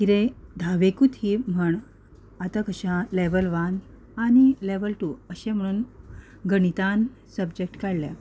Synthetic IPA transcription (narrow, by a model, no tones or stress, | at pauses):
kiɾẽd̪ʱaʋekut̪ʰim̤əɳ | at̪akəɕãleʋəlʋan | añileʋəlʈuəɕẽm̤əɽ̃uːn | ɡəɳit̪an | səbd͡ʑek̚ʈkaɽljã̰